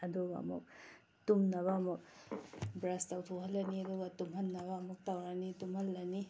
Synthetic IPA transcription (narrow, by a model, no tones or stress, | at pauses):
ɐduɡa̰ɐ̰mṵk̚ | tumnɐβaɐmuk̚bɾastawtʰoɦɐlːɐniɐduɡatumɦɐnːɐβaɐmuk̚tawɾanitumhɐlːɐni